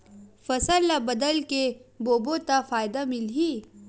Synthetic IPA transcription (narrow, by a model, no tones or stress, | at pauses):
fɐsəlːabɐd̪əlkeboːbot̪afaːjd̪amɪlɦiː